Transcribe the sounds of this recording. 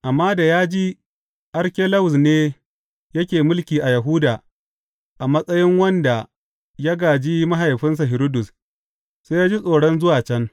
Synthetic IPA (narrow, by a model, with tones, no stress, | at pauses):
ʔa˨mːaː˦da˨jaː˦d͡ʒi˦ | ʔɐ˦ɾkʲe˦la˦wʊ˨s̬neː˦ | jɐ˦kʲeː˨mʊ˦lkʲiː˨ʔa˨jɐ˨ɦʊː˦daː˨ | ʔa˨mɐ˦sʼɐ˦jɪ˦ŋwɐ˦nda˨ | jaː˦ɡaː˨d͡ʒi˦ma˦ɦa˨jɸɪ˦ns̬a˨ɦɪ˨ɾo˦dʊ˨s | seː˦jaː˦d͡ʒi˦sʼoː˨ɽɔ˦nzʊ˦waː˨t͡ʃɛ˦ŋ